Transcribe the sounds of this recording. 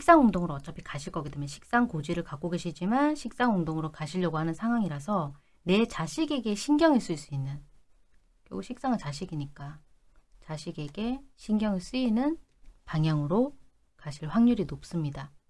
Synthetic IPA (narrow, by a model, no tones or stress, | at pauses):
ɕʰik̚s͈aŋoŋdoŋɯɾoʌt͡ɕ͈ʌpʰi̥kaɕʰiɭk͈ʌɡidemjenɕʰi̥k̚s͈aŋkod͡ʑiɾɯɭkak͈oɡe̞ɕʰid͡ʑimanɕʰik̚s͈aŋɦoŋdoŋɯɾokaɕʰiʎːʌɡoɦanɯnsʰaŋɦwaŋiɾasʰʌ | ne̞t͡ɕaɕʰiɡe̞ɡe̞ɕʰinɡjʌŋiɭs͈uiɭs͈uinːɯn | ko̰ɡuɕʰik̚s͈aŋɯt͡ɕaɕʰiɡiɲik͈a | t͡ɕaɕʰiɡe̞ɡe̞ɕʰiŋɡjʌŋiɭs͈uinɯn | paŋɦjaŋɯɾo | kaɕʰiɭɸwaŋɲuɾinop̚s͈ɯmɲida